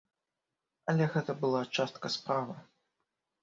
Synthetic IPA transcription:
ɐlʲɛɣɛt̪ɐbɨlˠat͡ʂast̪kɐspɾavɐ

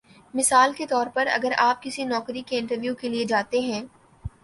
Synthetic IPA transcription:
mɪsaːlket̪ɔːɾpɐɾɐ̰ɡəɾaːp̚kɪsinɔːkɾikeɪ̃ɳʈəɾʋjuːkelied͡ʒaːt̪eɦɛ̃ː

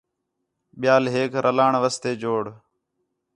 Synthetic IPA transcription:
ɓɪjaːlɦeːkɾʔəlaːɳʋəst̪eːd͡ʒoːɽ

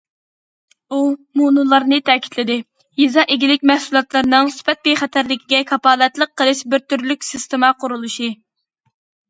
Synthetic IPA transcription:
umunulˠɑɾnɨt̪ʰɛkʲi̥t̪ʰlɪd̪ɪ | jizɑʔeɡʲilɪkʲmɛhsulˠɑt̪lˠɨɾnɨŋsy̥pɛt̪̚bejχɛt̪ʰæɾlɪkʲiɡʲɛkʰɑpɑːlˠɛt̪lˠəq̚qʰːəlˠɨʃbɪɾt̪yɾlykʲsɪst̪emɑqʰʊɾulˠuʃi

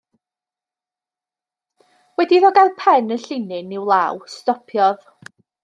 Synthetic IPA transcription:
wɛdiðɔɡalˠpʰɛnəɬɪnɪnɪwlˠawstɔpʰjɔð

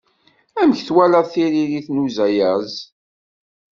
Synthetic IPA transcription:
æmçθwælæðθiɾiliθnuzæjæz

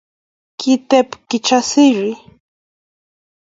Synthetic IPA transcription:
kɪt̪epkɪt͡ʃasɪɾɪ

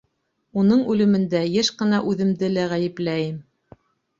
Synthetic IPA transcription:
unɤɴʉlɘ̆mɘ̆nd̪æjɘʃqɤ̆nɑʔʉðɘ̆md̪ɘlæʁæjɘ̆plæjɘm

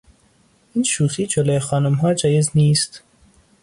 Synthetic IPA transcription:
ʔiːnʃuːxiːd͡ʒoloːexɒːnumɦɒːd͡ʒɒːjezniːst̪

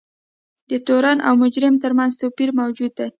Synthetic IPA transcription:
d̪ət̪oɾanʔa̰wmʊd͡ʒɾɪmt̪əɾmanzt̪opiɾmawd͡ʒud̪ːa

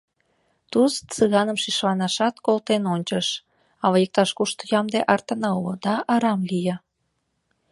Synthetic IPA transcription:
t̪ust͡sɨɣɑnəmʃiʃlɑnɑʃɑt̪kolt̪enonʲt͡ɕəʃ | ɑβəjek̚t̪ɑʃkuʃt̪jɑmd̪eʔɑrt̪ə̆nəlod̪ɑʔɑɾɑmlijə

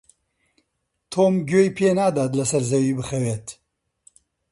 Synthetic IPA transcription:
t̪ʰoːmɡʲoːjpʰeːnaːd̪aːt̪lɐsɐɾzɐwiːbɨxɐweːt̪

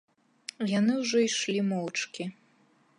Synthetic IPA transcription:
janɨwʐɔiʂlʲimɔwt͡ʂkʲi

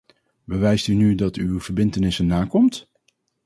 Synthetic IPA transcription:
bəʋɛjstynydɑtywv̥əɹbɪntənɪsənːaːkɔmt

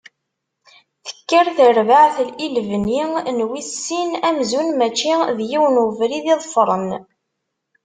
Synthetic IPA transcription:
θə̥kːəɾθəɾvaʕθəlilvninwisːinæmzunmæt͡ʃːiðjiwnəvɾiðiðˤfɾˤən

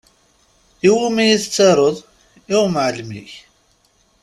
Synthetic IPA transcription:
iwumæjiθət͡sːɑɾˤəðˤ | iwmʕələmlḭç

